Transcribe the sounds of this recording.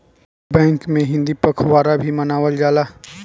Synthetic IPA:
bɛ̃ːŋkmẽɦɪ̃nd̪ipəkʰʋaːɾabʱimɐnaːʋəld͡ʒaːlaː

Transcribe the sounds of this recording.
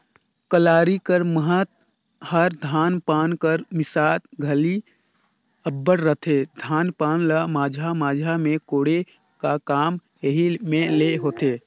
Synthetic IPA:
kəlaːɾikəɾməɦət̪̚ | həɾd̪ʱaːnpaːnkəɾmɪsaːtɡʱəli | əbːəɽɾət̪ʰed̪ʱaːnpaːnləmaːd͡ʒʱamaːd͡ʒʱamẽkoːɽe | kakaːm | eɦimẽleɦoːt̪eː

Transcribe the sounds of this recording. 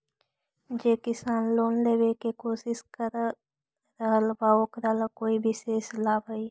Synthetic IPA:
d͡ʒeːkɪsaːnloːnleːwekekoːsɪskəɾ | ɾəɦəlbaːokɾəɦlkoːibʱiseːslaːbəi

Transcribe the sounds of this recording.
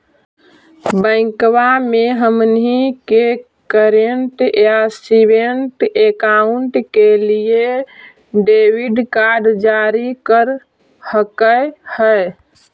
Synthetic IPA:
bə̃ɪ̃kwameɦəmnɦike | kəɾeɳʈjasibeɳʈekauɳʈkelie | ɖewiɖkaɾɖd͡ʒaɾikəɾ | həkəhə

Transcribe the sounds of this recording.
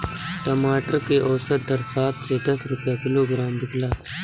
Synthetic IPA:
ʈɐmaːʈəɾkeʔɔːsət̪̚d̪ɐɾsaːt̪sed̪ɐsɾʊpjakɪloːɡɾaːmbɪɡlaː

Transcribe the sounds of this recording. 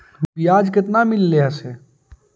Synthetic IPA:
bijaːd͡ʒkɪt̪namɪlːeaseː

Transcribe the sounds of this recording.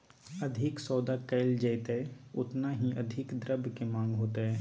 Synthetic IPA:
ɐd̪ʱɪksɔːd̪akɐːld͡ʒɐɪt̪ɛʊt̪naɦiʔɐd̪ʱɪkd̪ɾəbkemãːŋɡɦoːt̪eɦɛː

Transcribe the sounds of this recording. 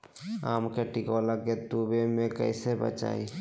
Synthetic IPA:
a̰mkeʈikɔlaket̪ubemẽkə̰ɪsebə̰t͡ʃa̰ːi

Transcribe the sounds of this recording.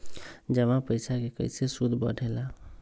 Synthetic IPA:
d͡ʒəmãpəjsʰakekə̰jsesud̪ʱbə̰ɽʱela

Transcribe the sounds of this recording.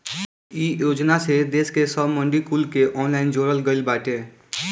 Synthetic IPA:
iːjoːd͡ʒnased̪eːskesəbmə̃ɳɖikulkeʔɔːnlaːɪnd͡ʒoːɽəlɡəɪlbaːʈeː

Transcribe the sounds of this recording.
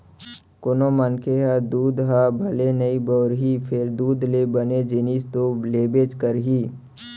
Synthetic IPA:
kʊnomənkʰeɦad̪uːd̪ɦabʱɐlenəibɔːɾɦipʰɪɾd̪uːd̪lebəned͡ʒɪnist̪oleːbeːt͡ʃkəɾɦiː

